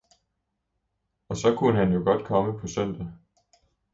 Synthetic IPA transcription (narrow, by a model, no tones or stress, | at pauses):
ɒ̽sɒ̽kʰunəhænjo̝ɡ̥ɒ̽d̥kʰɒ̽məpʰɒ̽sœn̰d̥æ